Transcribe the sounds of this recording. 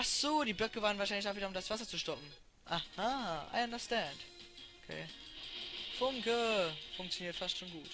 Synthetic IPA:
ʔaz̥oːdiːbœkəvaːʁən̩vaːʃaɪnɪç̬aviːdɐʊmdasv̥asɐt͡suʃtɔpm̩ | ʔahaːʔa̰ɪandəstɛndʔokʰḛː | fʊŋkəfʊŋk̚t͡sjoniːɐtfastʃoːnɡuːt

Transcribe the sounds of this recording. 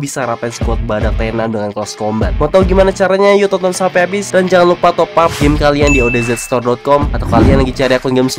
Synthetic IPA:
bisaɾapansə̥kuɔt̪̚badak̚t̪anandəŋanklɔskɔmbat̪̚mɔt̪awɡimanat͡ʃaɾaɲajut̪ɔnt̪ɔnsampɛabɪsdand͡ʒaŋanlupat̪ɔpap̚ɡɪmkaliandiodezɛt̪̚st̪ɔrdɔt̪̚kɔmat̪awkalianlaɡit͡ʃaɾiakɔnɡɪms

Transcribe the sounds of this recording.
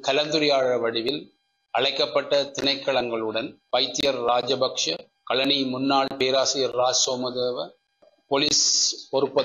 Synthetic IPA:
kɐlɐnd̪ɯɾɪjaːɻɐʋɐɽɪʋɪl | ɐɻɐɪkːɐpːɐʈːɐt̪ɪnɐɪkːɐɭɐŋɡɐɭɯɽɐnpɐɪt̪ːɪjɐɾːaːd͡ʒɐbɐkʂɐ | kɐɭɐnimʊnːaːɭpeːɾaːsɪjɐɾːaːd͡ʒsoːmɐðeːʋɐ | poliːspɔɾɯpːɐ

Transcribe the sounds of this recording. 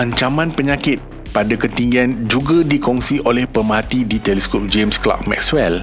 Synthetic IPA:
ãɲt͡ʃamãnpəɲakɪt̪̚ | padakət̪iŋɡiand͡ʒuɡadikɔŋsiʔolɛhpəmaat̪idit̪ɛlɛskop̚d͡ʒemskla̰k̚mɛ̰k̚swɛl

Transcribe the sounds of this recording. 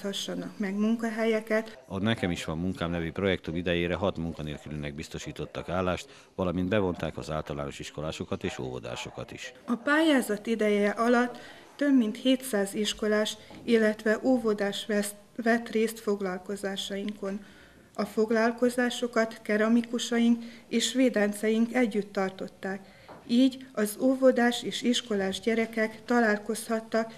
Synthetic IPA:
ɒʃːɒnɒkmɛɡmuŋkɒɦɛjɛkɛt̪ɒnɛkɛmiʃʋɒmːuŋkaːmnɛvypro̞jɛkt̪umid̪ɛjeːɾɛɦɒt̪muŋkɒneːlkylinɛɡ̚bist̪o̞ʃiːt̪o̞t̪ːɒkaːlːaːʃt̪ | ʋɒlɒmind̪bɛvo̞nt̪aːkɒ̰zaːlt̪ɒla̰ːno̞̰ʃiʃko̞laːʃo̞kɒt̪eːʃo̰ːvo̰d̪a̰ːʃo̞kɒ̰t̪iʃɒpaːjaːzɒt̪id̪ɛjɛʔɒlɒt̪ː | ø̞bmint̪heːt̪saːziʃko̞laːʃilːɛt̪ʋɛʔoːvo̞d̪aːʃ | vɛt̪reːst̪fo̞ɡlɒlko̞zaːʃɒjiŋko̞n | ɒfo̞ɡlɒlko̞zaːʃo̞kɒt̪kɛɾɒmikuʃɒjiŋkeːʃʋeːd̪ɛnt̪sɛjiŋkɛɟːyt̪ːɒrt̪o̞t̪ːaːk | iːɟɒzoːvo̞d̪aːʃeːʃiʃko̞laːʒɟɛɾɛkɛkt̪ɒlaːlko̞shɒt̪ːɒk

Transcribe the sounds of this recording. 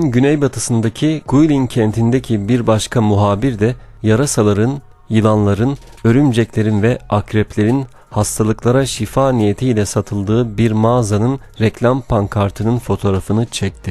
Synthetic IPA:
nɟynɛjbat̪ʰɯsɯnd̪acʰiɡujlʲincʰɛnt̪ʰind̪ɛcʰibiɾbaʃkʰamuɦaːbiɾd̪ɛ | jaɾasalˠaɾɯn | jɯlˠanlˠaɾɯnø̞ɾymd͡ʒɛclʲe̞ɾinvɛakɾɛplʲe̞ɾin | hast̪ʰalˠɯklˠaɾaʃifaːnijet̪ʰijlʲɛsat̪ʰɯlˠd̪ɯːbiɾmaːzanɯn | ɾɛclʲampʰaŋkʰaɾt̪ʰɯnɯnfo̞t̪ʰoːɾafɯnɯt͡ʃʰɛc̚t̪ʰi

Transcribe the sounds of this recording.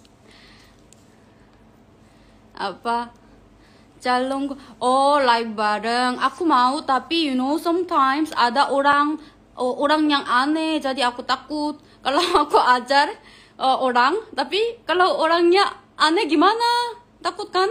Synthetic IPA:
ʔa̰pa | t͡ʃalɔŋɔlajk̚baɾəŋakumaut̪apijunowsãmt̪ʰajmsadaʔoɾaŋ | ʔoɾaŋjaŋaned͡ʒadiakut̪akut̪̚ | kalawakuad͡ʒar | ʔoɾaŋt̪apikalawoɾaŋjaʔː | nɛɡimana | t̪akut̪̚kan

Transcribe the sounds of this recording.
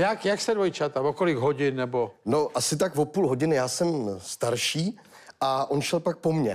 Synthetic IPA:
jakjakst̪ɛdvojt͡ʃat̪avokolɪɡɦoɟɪnːɛbono̞ʔasɪt̪̬akvo̞puːlɦo̞ɟɪnɪjaːsɛmst̪aɾʃiː | ʔaʔonʃɛlpak̚po̞mɲɛ

